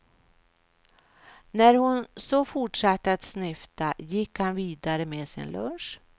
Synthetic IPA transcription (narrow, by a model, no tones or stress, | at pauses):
næɾhʊnsɔfʊʈʂat̪ːəat̪snʏft̪ajɪkhanviːd̪aɾəmeːsɪ̰nlʔɵ̰nʂ